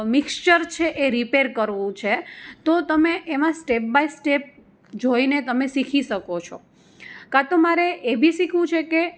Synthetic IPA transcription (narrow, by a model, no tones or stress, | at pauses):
mikst͡ʃəɾt͡ʃʰeʔeɾipeɾkəɾʋũt͡ʃʰet̪ot̪əmeʔemãsʈep̚baisʈep̚ | d͡ʒoinet̪əmesikʰiʃəkot͡ʃʰo | kat̪omaɾeʔebʱisikʰʋũt͡ʃʰeke